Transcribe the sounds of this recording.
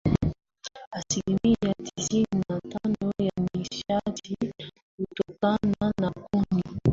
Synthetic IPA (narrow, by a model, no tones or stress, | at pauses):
asilimijatizinatanojamiʃadi | kutokananakumi